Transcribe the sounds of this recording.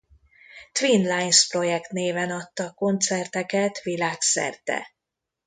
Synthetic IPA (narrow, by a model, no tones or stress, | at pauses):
t̪vinlajnspro̞jɛkt̪neːvɛnɒt̪ːɒko̞nt̪sɛrt̪ɛkɛt̪vilaːksɛ̰rt̪ɛ̰